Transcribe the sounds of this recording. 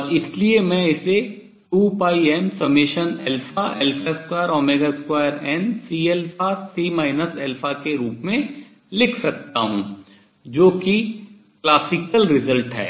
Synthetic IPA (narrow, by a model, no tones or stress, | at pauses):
ɔɾɪsliemɛ̃ɪse | ʈuːpaːiɛːmsɐbmːɪʃənɛlpʰaʔɛlpeskwaːəɾɔːmeːɡaɪskwaːjəɾɛːnsiːelpʰasiːmaːɪnəsɛːlpʰakeɾuːpmẽ | lɪkʰsɐk̚t̪a̰ɦṵ̃ | d͡ʒoːki | klaːsɪkəlɾɪzəlʈɦɛ̰ː